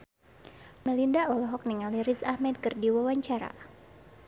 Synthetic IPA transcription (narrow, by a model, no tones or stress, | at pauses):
mɛlindaɔlɔɦɔk̚niŋaliɾisahmɛd̪̚kɨrdiwawaɲt͡ʃaɾa̰